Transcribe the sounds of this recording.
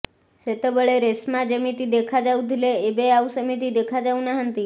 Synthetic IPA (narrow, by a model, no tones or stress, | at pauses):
set̪əbəɭeɾesmãd͡ʒəmit̪id̪ekʰad͡ʒaũd̪ʱileːbeausəmit̪id̪ekʰad͡ʒaũnaɦənt̪i